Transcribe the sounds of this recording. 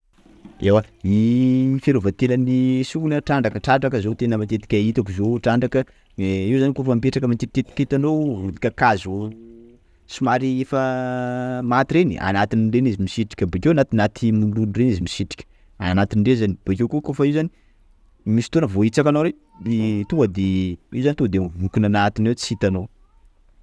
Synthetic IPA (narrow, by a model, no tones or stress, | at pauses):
ewaifeɾovat̪elənisukunəʈ͡ʂaɳɖ͡ʐakəʈ͡ʂaʈ͡ʂakəzot̪enəmat̪et̪i̥kʲait̪akuzoʈ͡ʂaɳɖ͡ʐakə | iwzanikofəmipeʈ͡ʂakəmat̪et̪et̪i̥ket̪anoud̪ikʲakazu | sumaɾiefə | mat̪iɾenḭa̰nat̪iniɖ͡ʐenizimisiʈ͡ʂi̥kʲəbekʲewanat̪inat̪ʰimulunirenizimisiʈ͡ʂi̥kʲə̥ | anat̪inɳɖ͡ʐezanib̥ekewkukofəiwzani | misi̥t̪onəvoit͡sakanoɾe | mit̪uəd̪eiwzanit̪ud̪eɦukunanat̪inewt͡si̥it̪ano